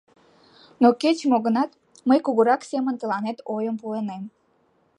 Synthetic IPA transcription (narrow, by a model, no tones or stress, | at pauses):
noket͡ɕmoɣənɑt̪ | məjkuɣəɾɑksemənt̪əlɑnet̪ojəmpuenem